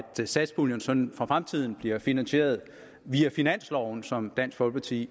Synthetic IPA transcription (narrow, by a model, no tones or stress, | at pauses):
d̥sæd̥sb̥oljənsɒ̽nfʁɑ̈fʁamt͡sʰið̰ˠn̩b̥liɐfinænse̝̰ːɐð̞ˠ | ʋiæfinæn̰slɒʊn̩sɒ̽md̥æn̰sɡ̥ʋɒ̽lpʰɑ̈t͡sʰḭː